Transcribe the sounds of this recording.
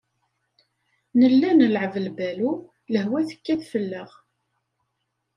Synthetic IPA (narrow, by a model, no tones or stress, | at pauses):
nəlːænəlʕəvəlbælu | ləhwæθə̥kːæðfəlːəʁ